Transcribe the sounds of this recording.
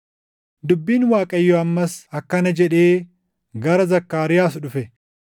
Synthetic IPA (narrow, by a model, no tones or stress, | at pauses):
d̪ʊbːiːnwaːkʼɐjːɔɐmːɐsɐkːɐnɐd͡ʒɛᶑe̞ː | ɡɐɾɐzɐkːaːɾɪjaːsᶑʊfɛ